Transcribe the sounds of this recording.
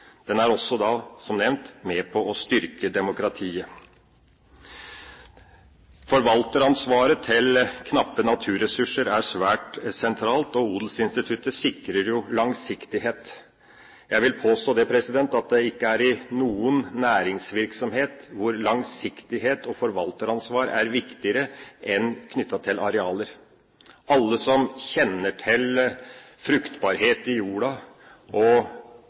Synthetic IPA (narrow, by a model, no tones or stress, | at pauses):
d̪̥ɛnæɾɔsːɔd̪ɑsɔmnɛʋnt̪mɛpʰɔɔst̪ʏɾkəd̪ɛmʊkɾɑt̪ʰiːə | fɔɾʋɑlt̪əɾɑnsʋɑːɾət̪ʰɪlkʰnɑpːənɑt̪ʰʉːɾɛsʉʂːəɾæɾʂʋæːʈsɛnt̪ʰɾɑːlt̪ɔuːd̪l̩sɪnst̪ɪt̪ʰʉt̪ːəsɪkɾəɾjʊlɑŋsɪkt̪ɪɦeːt̪ | jæɪʋɪlpʰoːst̪oːd̪ɛpʰɾɛsɪd̪ɛnt̪ɑt̪̚d̪ɛɪkːəæɾɪnuːənːæːɾɪŋsʋɪɾksɔmheːt̪ʋʊɾlɑŋsɪkt̪ɪɦeːt̪ɔfɔɾʋɑlt̪əɾɑnsʋɑːɾæɾʋɪkt̪ɪəɾəʔɛnkʰnʏt̪ːɑt̪ʰɪlɑɾɛɑːləɾ | ɑlːəsɔmçɛnːəʈʰɪl | fɾʉkt̪bɑːɾheːt̪ɪjuːɽɑ | ʔɔ